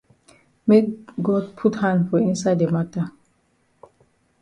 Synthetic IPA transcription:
mekɡɔd̚pʰuthãndfɔĩnsaɪdemata

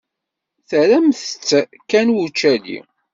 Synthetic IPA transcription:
θəɾæmθə̥t͡sːkːænwut͡ʃːælḭ

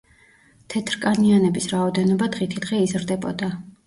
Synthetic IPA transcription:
t̪ʰɛt̪ʰɾkʼanianɛbisɾaɔd̪ɛnɔbad̪ʁit̪ʰid̪̥ʁɛizɾd̪ɛbɔd̪a

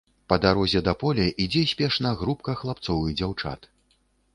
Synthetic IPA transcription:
pɐd̪aɾɔzʲɛd̪apɔlʲɛʔid͡zʲɛsʲpʲɛʂnɐɣɾupkɐxlˠap̚t̪sɔvɨd͡zʲawt͡ʂa̰t̪

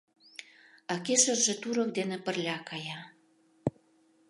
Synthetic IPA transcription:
ɑkeʃə̆rʒĕt̪uɾɤk̚d̪enĕpə̆rlʲɑkɑjɑ

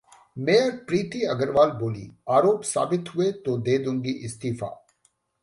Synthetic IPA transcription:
meːəɾpɾiːt̪iɐɡəɾʋaːlboːlḭaːɾoːpsa̰ːbɪt̪ɦʊet̪od̪eːd̪ũːŋɡiʔɪst̪iːfa̰ː

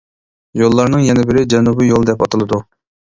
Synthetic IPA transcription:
jolˠːɑɾnɨŋjɛnɛbɪɾɪd͡ʒɛnubɪjolˠd̪ɛpɑt̪ɨlˠɨd̪u

